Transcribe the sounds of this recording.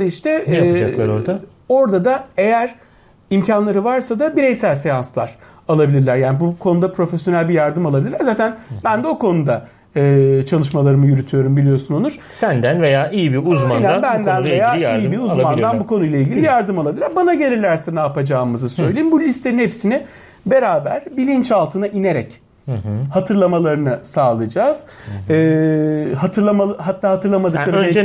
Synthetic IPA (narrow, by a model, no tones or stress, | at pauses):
ɾiiʃt̪ʰɛad͡ʒalˠaɾoɾd̪a | o̞ɾd̪ad̪ae̞jæɾ̥ | imcʰanlˠaɾɯvaɾsad̪abiɾejsælʲsejanslˠa̰ɾ̥ | alˠabilʲiɾlʲæɾjaːnibukʰo̞nud̪apʰɾo̞fesjo̞nælʲbijaɾd̪ɯmalˠabilʲiɾlʲːæɾzaːt̪ʰænbænd̪ɛo̞kʰo̞nud̪a | ɯːt͡ʃʰalˠɯʃmalˠaɾɯmɯjyɾyt̪ʰyjo̞ɾumbilʲijo̞sunolˠuɾ̥sænd̪ænve̞jaːʔijibiuzmannabænd̪ænvejaːijaɾijibiɾuzlmand̪anbukʰo̞nujlˠailʲɟilʲijaɾd̪ɯmoabilʲɾbanaɟe̞ɾilʲæɾsenaapad͡ʒaːɯmɯzɯsø̞jlʲejimbulʲist̪ʰe̞ninhepsinɛ | be̞ɾaːbæ̰ɾbilʲint͡ʃalˠt̪ʰɯnaʔine̞ɾɛ̰c | hat̪ʰɯɾlˠamalˠaɾɯnɯsaːlˠɯd͡ʒaːz̥ɯːhat̪ʰɯɾlˠamaɦat̪ʰːaːhat̪ʰɯɾlˠamad̪ɯlˠaɾød͡ʒ